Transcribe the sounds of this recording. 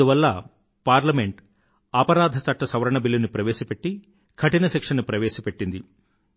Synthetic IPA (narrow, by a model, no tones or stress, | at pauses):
uʋɐlːɐ | paːɾlɐme̞ɳʈ | ɐpɐɾaːd̪ʱɐt͡ʃɐʈːɐsɐʋɐɾɐɳɐbilːunipɾɐʋeːʃɐpe̞ʈːi | kʰɐʈinɐsekʂɐnːupɾɐʋeːʃɐpe̞ʈːind̪i